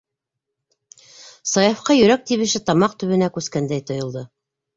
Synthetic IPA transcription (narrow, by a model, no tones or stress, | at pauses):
sɑjɑfqɑjɵ̆ɾæk̚t̪iβɘ̆ʃɘt̪ɑmɑqt̪ɵ̆βɘ̆nækʉskænd̪æjt̪ŏjɤ̆lˠd̪ɤ